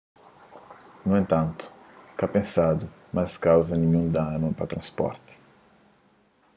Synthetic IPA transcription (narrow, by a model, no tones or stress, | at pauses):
nuẽnt̪ɐ̃nt̪ʊ̥ | kapẽsad̪ʊ | maskawzɐnĩɲũd̪anʊpat̪ɾɐ̃spɔ̰ɾt̪ɪ̥